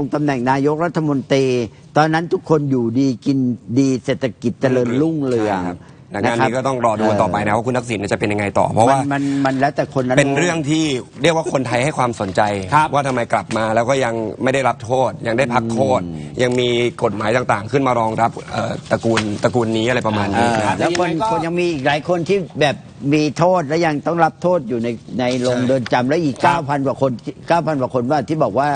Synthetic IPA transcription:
o˧ŋt̪a˧mnɛ˨˩ŋnaː˧jo˦˥k̚ɾa˦˥t̪ʰːa˧mo˧nt̪ɾiː˧ | t̪ɔː˧nːa˦˥nt̪ʰu˦˥kʰːo˧njuː˨˩diː˧ki˧ndiː˧seː˨˩t̪ʰːa˧ki˨˩t̪̚t͡ɕa˧lɤː˧nlu˥˩ŋlɯ˧˩əa˦ | na˨˩na˦a˧niː˧˦kɔː˥˩t̪ɔ˥˩ŋɾɔː˧du˧t̪ɔː˨˩pa˧jna˦˥wa˥˩kʰu˧nːa˦˥k̚si˨˩˦nːaː˥˩t͡ɕa˨˩pe˧nja˧ŋa˧jt̪ɔ̰ː˨˩pʰɔ˦˥waː˧˥˩a˧nma˧nlɛː˦˥wt̪ɛː˨˩kʰo˧nːa˦˥pe˧nɾɯ˥˩əŋt̪ʰiː˥˩ɾi˥˩kwaː˥˩kʰo˧nt̪ʰa˧jha˥˩jkʰwaː˧mso˩˦nt͡ɕa˧jʰwaː˥˩t̪ʰa˧mːa˧jkla˨˩p̚maː˧lɛː˦˥wkɔː˥˩ja˧ŋma˥˩jda˥˩jɾa˦˥p̚t̪ʰoː˥˩t̪̚ja˧ŋda˥˩jpʰa˦˥k̚t̪ʰoː˥˩t̪̚ja˧ŋmiː˧ko˨˩t̪̚maː˩˦jt̪aː˨˩ŋt̪aː˨˩ŋkʰɯ˥˩nmaː˧ɾɔː˧ŋɾa˦˥p̚ʔəː˨˩t̪a˧kuː˧nt̪a˧kuː˧nːiː˦˥a˨˩ɾa˧jpa˧maː˧nːiː˦˧˦lɛ˦˥kʰo˧nkʰo˧nja˧ŋmiː˧ʔiː˨˩k̚laː˩˦jkʰo˧nt̪ʰiː˥˩bɛː˨˩p̚miː˧t̪ʰoː˥˩t̪̚lɛː˦˥wja˧ŋt̪ɔ˥˩ŋɾa˦˥p̚t̪ʰoː˥˩t̪̚juː˨˩na˧jna˧jlo˧ŋdɤː˧nt͡ɕa˧mlɛː˦˥wʔiː˨˩kːaː˧˥˩wpʰa˧nkwaː˨˩kʰo˧n˩kaː˥˩wpʰa˧nkaː˨˩kʰo˧nwaː˥˩t̪ʰiː˥˩bɔː˨˩k̚waː˥˩

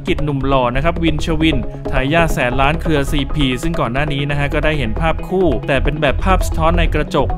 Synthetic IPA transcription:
ki˨˩t̪̚nu˨˩mlɔː˧na˦˥kʰɾa˦˥p̚wi˧nt͡ɕʰa˧wi˧nt̪ʰaː˨˦jːaː˥˩sɛː˩˦nlaː˦˥nkʰɾɯ˧ɐsiː˧pʰiː˧sɯ˥˩ŋkɔː˨˩nːaː˥˩niː˦˥na˦˥kʰa˦˥kɔː˥˩daː˥˩jɦe˩˦npʰaː˥˩p̚kʰuː˥˩t̪ɛː˨˩pe˧nbɛː˨˩pʰːaː˥˩p̚sḁ˧t̪ʰɔː˦˥nːa˧jkɾa˧t͡ɕo˨˩k̚

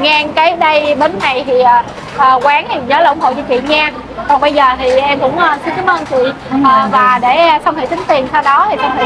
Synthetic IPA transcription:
ŋɛ˧ŋkaː˨˦jɗə˧jɓe˨˧nːa˨˩jt̪ʰi˨˩ʔaː˨˩ | ʔəː˨˩kwaː˨˦nt̪ʰi˨˩ɲəː˨˦laː˨˧˩ʔʊ˧˦ŋ͡mho̰˧˨t͡ɕɔ˧t͡ɕḭ˧˨ŋɛ˧ | kɔ˨˩ŋɓə˧jzəː˨˩t̪ʰi˨˩ʔɛ˧mkʊ̰˧˥ŋ͡mʔəː˧sɨ˨˦ka˨˦mʔəː˧nt͡ɕwḭ˧˨ | ʔəː˨˩vaː˨˩ɗe˧˩˧xə˧ŋ͡mhḛ˧˨t̪ï˨˦ŋ̟t̪i˨˩ənsʰɛ˧wɗɔ˨˦t̪ʰi˨˩sə˧wŋ͡mh

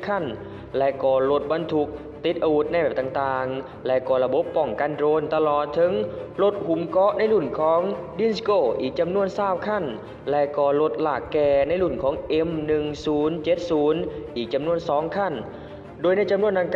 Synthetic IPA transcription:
kʰa˧˥˩n | lɛ˧˥kɔː˧˩lo˧˦˥t̪̚ba˧nt̪ʰu˧k̚ | t̪i˨˦t̪̚ʔa˧wu˧˥t̪̚na˧˩bɛː˨˩p̚t̪aː˨˩ŋt̪aː˨˩ŋ | lɛ˧˥ʔkɔː˧˩la˧bo˦˥pːɔ˨˩ŋka˧˨ndɾoː˧nt̪a˧lɔː˨˩t̪ʰːɤ˨˦ŋlo˧˦˥t̪̚hu˨˦mkɔ˦˥ʔna˧˥˩jlu˨˩nkʰɔː˨˦ŋdi˧˥˨nskoː˧˩ʔiː˨˩k̚t͡ɕa˧mnu˧˩ənsaː˧˥˩w̚kʰa˥˩n | lɛ˧˥ʔkɔː˧˩lo˧˦˥t̪̚laː˨˩kːɛː˧˩na˧˥jlu˨˩nkʰɔː˨˦ŋʔe˧˥mnɯ˨˩ŋsuː˨˦nt͡ɕe˧˥t̪̚suː˨˦nʔiː˨˩k̚t͡ɕa˧mnu˧˩ənsɔː˨˦ŋkʰa˥˩n | doː˧jna˧˥˩jt͡ɕa˧mnu˧˥ənːd̪aː˧˩ŋk

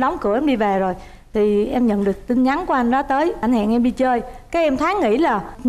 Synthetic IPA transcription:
ɗwŋ͡mkɨ˧˩əʔɛ˧mɗi˧ve˨˩zo˨˩j | t̪ʰi˨˩ʔɛ˧mɲə̰˧˨nɗɨ˨˩ək̚t̪ï˧nɲa˨˦nku˧əʔa˧jŋ̟ɗɔ˨˦t̪əː˨˦jʔa˨˧˩ŋ̟ha̰ː˧˨nʔɛ˧mɗi˧t͡ɕəː˧jkaː˨˦˥k̚ɛ˧mt̪ʰaː˨˦ŋŋḭ˧˥laː˨˩

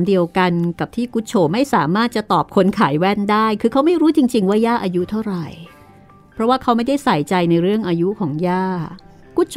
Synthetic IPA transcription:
mdi˧əwka˧nka˨˩p̚t̪ʰiː˥˩ku˦˥t̪̚t͡ɕʰoː˨˩ma˥˩jsaː˩˦maː˥˩t̪̚t͡ɕa˨˩t̪ɔː˨˩p̚kʰo˧nkʰaː˩˦jwɛ˦˥˩ndaː˥˩jkʰɯː˧kʰa˦˥wma˥˩jɾuː˦˥t͡ɕi˧ŋt͡ɕi˧ŋwaː˥˩jaː˥˩ʔaː˧ju˦˥t̪ʰa˥˩wɾa˨˩j | pʰɾɔ˦˥waː˥˩kʰa˦˥wma˥˩jda˥˩jsa˨˩jt͡ɕa˧jna˧jɾɯ˥˩əŋʔaː˧ju˦˥kʰɔː˩˦ŋjaː˥˩ | ku˦˥t̪̚t͡ɕʰ

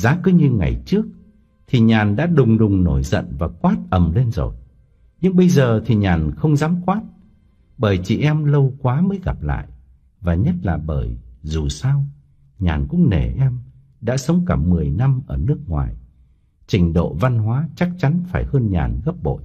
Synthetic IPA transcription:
zaː˨˦kɨ˨˦ɲɨ˧ŋa̰˨˩jt͡ɕɨ˦˥ək̚ | t̪ʰi˨˩ɲaː˨˩nɗa̰ː˧˥ɗʊ˨˩ŋ͡mɗʊ˨˩ŋ͡mno˧˩jzə̰˧˨nvaː˨˩kwaː˦˥t̚ʔə˨˩mle˧nzo̰˧˨˩j | ɲɨ˧ŋɓə˧jzəː˨˩t̪ʰi˨˩ɲaː˨˩nxə˧wŋ͡mzaː˨˦mkwaː˦˥t̚ | ɓəː˧˩jt͡ɕḭ˧˨ʔɛ˧mlə˧wkwaː˨˦məː˨˦jɣa˨˩p̚la̰ː˧˨j | vaː˨˩ɲə˦˥t̚laː˨˩ɓəː˧˩jzu˨˩sa˧w | ɲaː˨˩nkʊ̰˧˥ŋ͡mnḛ˧˩ʔɛ˧m | ɗa̰ː˧˥sə˨˦wŋ͡mkə˧˩mːɨ˨˩əjna˧mʔəː˧˩nɨ˦˥ək̚ŋwa̰ː˨˩j | t͡ɕï˨˩ŋ̟ɗo̰˧˨va˧nɦwaː˨˦t͡ɕa˦˥k̚t͡ɕa˨˦nfaː˧˩jhəː˧nɲa̰ː˨˩nɣə˦˥p̚ɓo̰˧˨j

